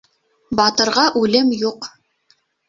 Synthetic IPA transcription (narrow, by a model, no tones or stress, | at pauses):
bɑt̪ɤ̆ɾʁɑʔʉlɘmjuq